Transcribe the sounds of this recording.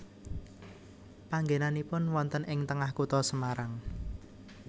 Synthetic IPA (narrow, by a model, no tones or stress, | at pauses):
paŋɡenanipʊnwɔnt̪ənɪŋt̪əŋahkut̪ɔsəmaɾaŋ